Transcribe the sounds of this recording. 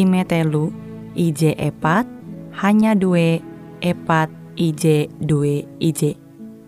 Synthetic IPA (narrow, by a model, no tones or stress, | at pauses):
imet̪elu | id͡ʒeʔepat̪̚haɲaduwe | epat̪̚ | id͡ʒedueid͡ʒe